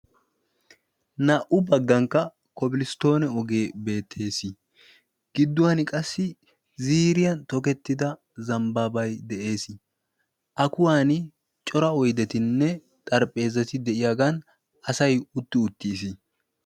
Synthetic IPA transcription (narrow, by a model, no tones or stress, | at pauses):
nɐʔʊbɐɡːɐŋkːɐ | kɔbɪlɪst̪o̞ːnɛɔɡe̞ːbe̞ːt̪ʰːe̞ːsɪ | ɡ̥ɪd̪ːʊwɐnɪkʼɐsːɪ | ziːɾɪjɐnt̪ɔkɛt̪ːɪd̪ɐ | zɐmbaːbɐjd̪ɛʔe̞ːsɪ | ʔɐkʊwaːnɪ | t͡ʃʼɔɾɐɔjd̪ɛt̪ɪnːɛ | t̪ʼɐɾpʼːe̞ːzɐt̪ɪd̪ɛʔɪjaːɡɐn | ɐsɐjʊt̪ːɪʊt̪ːɪːs̬ɪ